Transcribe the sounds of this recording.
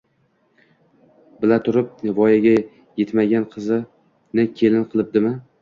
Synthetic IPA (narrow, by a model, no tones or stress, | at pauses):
bɪlat̪ʰʊɾɪp̚nvɒjaɡʲa | jet̪maɡʲanqʰɨzɪ | nɪkʲʰe̞lɪnqʰɨlˠɪp̚d̪ɪmɪ